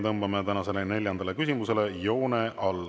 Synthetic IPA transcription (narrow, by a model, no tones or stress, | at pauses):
t̪ɤmbɑmet̪ænɑse̞lene̞lʲjɑnd̪̥ɑle̞kys̬ʲimuse̞le̞jo̞ːneʔɑlː